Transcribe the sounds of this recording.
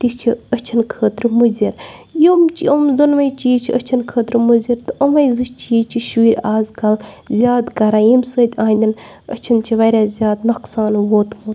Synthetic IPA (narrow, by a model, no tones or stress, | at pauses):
t̪ist͡ʃʰiət͡ʃʰinkʰəːt̪ɾɨmuzʲiɾjomt͡ʃiɐmzunʋɐjt͡ʃiːt͡ʃʰiət͡ʃʰinkʰəːt̪ɾmuziɾt̪ɨɐmɐjzɨʃt͡ʃiːt͡ʃʰiʃuɾʲaːzkɐl | zʲjaːd̪kɐɾaːjimsəːt̪ʲãːnʲd̪in | ət͡ʃʰint͡ʃʰiʋɐɾʲaːzʲjaːd̪nɐqsaːnʋoːt̪muːt̪